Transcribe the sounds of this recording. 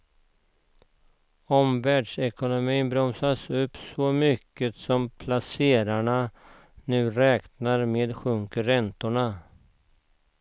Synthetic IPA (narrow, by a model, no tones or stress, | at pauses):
ɔmvæːɖʂɛkʊnʊmiːnbɾɔmsasɵpːsɔmʏkːət̪sɔmpʰlaseːɾaɳa | nʉ̟ːɾɛːknaɾmeːd̪ɧʰɔŋkɵɾɛnt̪ʊɳa